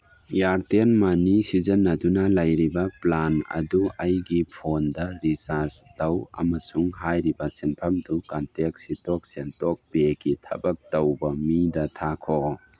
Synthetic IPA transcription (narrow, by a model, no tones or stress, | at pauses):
jaɾtenmanisizɐnːɐdunɐlɐjɾibɐplanɐ̰duɐjɡipʰondɐɾisastɐwɐ̰mɐsuŋɦajɾibɐsenpʰɐmtukantek̚sitok̚sentok̚beɡitʰɐ̰bɐk̚tɐwbɐmidɐtʰakʰo